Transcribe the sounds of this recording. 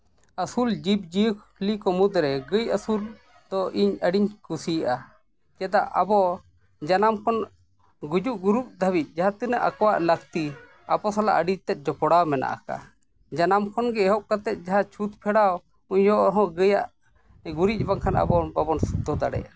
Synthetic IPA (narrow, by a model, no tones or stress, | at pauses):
əsuld͡ʒib̚d͡ʒiəkʰ | likɔmud̪ɾɛɡəjəsul | d̪ɔʔiɲəɖiɲkusijʔa | d͡ʒɛd̪aʔʔabɔ | d͡ʒanamkʰɔn | ɡud͡ʒuʔɡuɾup̚d̪ʱawic̪̚ˀd͡ʒaɦat̪inaʔakɔwaʔləkt̪i | abɔsala̰ʔəɖid͡ʒt̪ɛt̪̚ˀd͡ʒɔpɔɽawmɛna̰ʔa̰ka̰ | d͡ʒanamkʰɔnɡɛɛɦɔʔkat̪ɛt̪̚ˀd͡ʒaɦat͡ʃʰut̪pʰɛɽaw | uɲjɔʔɾɦɔ̃ɡəjaʔ | ɡuɾic̚ˀbaŋkʰana̰bɔbabɔnsud̪ʱɔd̪aɽɛ̰ʔa